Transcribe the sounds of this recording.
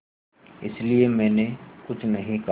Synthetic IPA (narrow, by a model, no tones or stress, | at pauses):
ɪ̰sliemɛ̃ːnekʊt͡ʃʰnɐɦĩka